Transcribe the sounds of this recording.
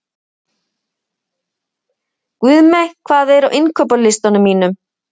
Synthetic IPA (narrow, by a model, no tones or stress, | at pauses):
kvʏðmɛkʰvaːðɛɾawʔɪnkʰœːpalɪst̪anʏmːiːnʏm